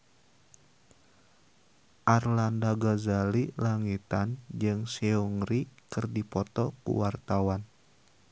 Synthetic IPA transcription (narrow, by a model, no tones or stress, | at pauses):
ʔarlandaɡazalilaŋit̪and͡ʒɨŋsiuŋɾikɨrdipɔt̪ɔkṵwart̪awan